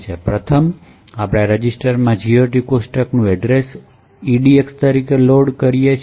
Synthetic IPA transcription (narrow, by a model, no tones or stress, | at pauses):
t͡ʃʰepɾət̪ʰəm | apɽ̃aɾəd͡ʒisʈəɾmãd͡ʒioʈikosʈəknũɛɖɾes | iɖiekst̪əɾikeloɖkəɾijet͡ʃʰ